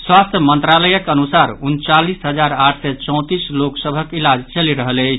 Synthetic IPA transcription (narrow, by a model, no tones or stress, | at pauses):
swast̪ʰjəmənt̪ɾaləjəkənusaɾunt͡ʃalisɦəd͡ʒaɾaʈʰsɛt͡ʃɔ̃w̃t̪isloksəbʱəkilad͡ʒt͡ʃəliɾəɦələɪt͡ʃʰ